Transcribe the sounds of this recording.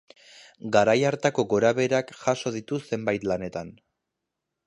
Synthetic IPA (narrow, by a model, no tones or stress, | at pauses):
ɡaɾajaɾt̪ako̞ɡo̞ɾaβe̞ɾakxaʃo̞ð̞it̪use̞mbajt̪lane̞t̪an